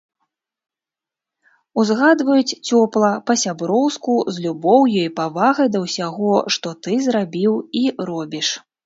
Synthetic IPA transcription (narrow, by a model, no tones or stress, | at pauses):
uzɣad̪vɐjut͡sʲt͡sʲɔplˠɐpɐsʲabɾɔwskuzlʲubɔwjɔjpavaɣɐjd̪ɐwsʲaɣɔʂt̪ɔt̪ɨzɾabʲiwiɾɔbʲiʂ